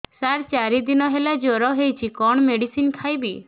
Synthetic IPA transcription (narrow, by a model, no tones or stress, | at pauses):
saɾt͡ʃaɾid̪inɔɦelad͡ʒoɾɔɦejt͡ʃʰikɔɳ̃meɽisinkʰajbi